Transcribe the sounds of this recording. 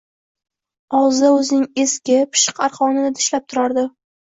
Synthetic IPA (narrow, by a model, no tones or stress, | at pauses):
ɒwzd̪aɵzɪnɪŋe̞skʲɪpʰɪ̥ʃɨ̥qaɾqɒnɪnɪt̪ʰɪ̥ʃlap̚t̪ʰʊɾaɾd̪ɪ